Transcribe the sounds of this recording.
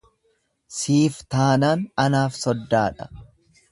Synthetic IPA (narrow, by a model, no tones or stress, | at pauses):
siːft̪aːnaːnɐnaːfsɔd̪ːaːᶑɐ̥